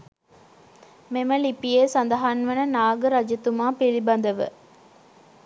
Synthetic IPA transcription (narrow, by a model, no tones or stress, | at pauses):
memɐlipijeːsɐnd̪ɐɦɐnʋɐnɐnaːɡɐɾɐd͡ʒɐt̪umaːpilibɐnd̪ɐʋə̰